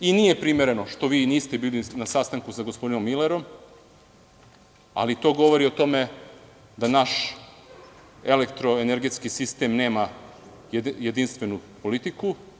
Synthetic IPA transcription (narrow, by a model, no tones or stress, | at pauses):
inije̞pɾime̞ɾe̞no̞ʃt̪o̞ʋiːniːst̪ebiːlinasast̪aŋkusaɡospo̞d̪ino̞mːileɾo̞m | a̰lit̪o̞ːɡo̞ʋo̞ɾio̞t̪o̞me̞ | d̪anaʃ | e̞lekt̪ɾo̞eneɾɡe̞t̪skisist̪eːmne̞ːma | jjed̪inst̪ʋe̞nupo̞lit̪iku